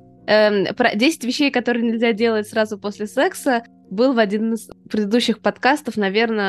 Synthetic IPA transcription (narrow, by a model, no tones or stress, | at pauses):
əpɾɐ̰dʲesʲɪ̥tʲvʲɪɕːejkɐt̪o̞ɾɨjənʲɪlʲzʲadʲelˠətʲsɾazʊposʲlʲɪsɛksə | bɨlˠvɐdʲinɨspɾʲɪd̪ɨd̪uɕːɪxpɐt̪kast̪əfnɐvʲe̞rnə